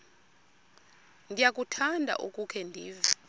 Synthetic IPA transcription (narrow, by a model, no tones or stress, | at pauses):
ŋɡʱijak̬ʼutʰandʱa̰ʔukʼukʰɛndʱiːvi